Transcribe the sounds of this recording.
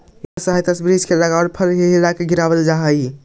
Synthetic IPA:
səɦajt̪əsbɾid͡ʒkeləɡaoɾpʰəɾɦeɦilakeɡiɾaβəld͡ʒaɦəj

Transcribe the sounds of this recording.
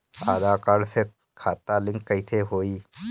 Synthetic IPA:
aːd̪aːkaɽse | kʰaːt̪alɪ̃ŋkkəɪt̪ʰeɦoːiː

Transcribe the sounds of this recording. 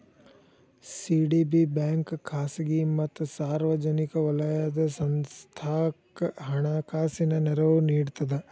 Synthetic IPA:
siːɖibibaːŋkkʰːaːsɐɡimɐt̪ːsaːɾʋɐd͡ʒɐnikɐʋɐlɐjaːd̪ɐsɐnst̪ʰaːkɦɐɳaːkaːsinɐnɛɾɐʋuniːɖt̪ɐd̪e

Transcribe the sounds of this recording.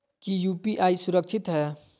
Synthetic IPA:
kijuːpiʔaisʊɾəkt͡ʃʰɪt̪ɦɛː

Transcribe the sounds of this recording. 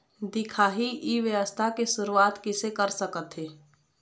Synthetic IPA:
d̪ɪkʰaːɦiʔiʋjəʋəst̪ʰakesʊɾuaːt̪kɪsekəɾsəkət̪ɦeː

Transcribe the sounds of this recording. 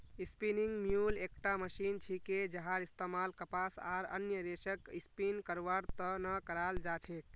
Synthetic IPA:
ispiniŋɡmjulekʈaməsint͡ʃʰiked͡ʒəɦaɾist̪emalkəpasa̰ɾə̰njəɾesəkispinkəɾʋaɾt̪ənəkəɾald͡ʒat͡ʃʰek

